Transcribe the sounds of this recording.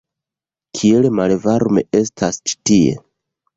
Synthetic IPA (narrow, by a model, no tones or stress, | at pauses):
kʰie̞lmalvaɾme̞̰e̞stʰast͡ʃi̥tie̞̰